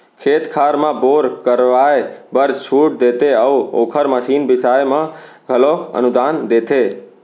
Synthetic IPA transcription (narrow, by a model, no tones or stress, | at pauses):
kʰeːt̪kʰaːɾmãboːɾkəɾʋajebəɾt͡ʃʰuːʈ̚d̪et̪eəuo̰ːkʰəɾməʃiːnbɪsaːjmãɡʱəloːkʰə̰nʊd̪aːnd̪eːt̪ʰe